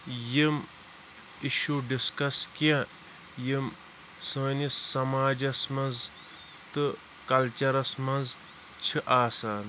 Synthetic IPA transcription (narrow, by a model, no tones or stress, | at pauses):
jim | iʃuːɖiskɐskjã | jim | sɨnisɐmaːd͡ʒɐsmɐnz | t̪ɨ | kɐlt͡ʃɐɾɐsmɐnz | t͡ʃʰiʔaːsaːn